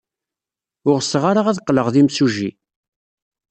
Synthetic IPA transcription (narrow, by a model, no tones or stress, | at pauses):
ʊɾsʁaɾaʁæðqːləʁðimsuʒi